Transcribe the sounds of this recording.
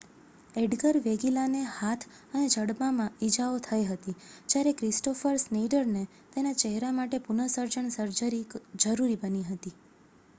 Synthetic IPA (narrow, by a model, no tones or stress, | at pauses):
eɖɡəɾʋeɡilanehat̪ʰ | əned͡ʒʱəɽbamãid͡ʒaot̪ʰəeɦət̪id͡ʒjaɾekɾɪsʈofəɾsneɖəɾne | t̪enat͡ʃɛɦɾamaʈepunəsəɾd͡ʒəɳsəɾd͡ʒəɾid͡ʒəɾuɾibəniɦət̪i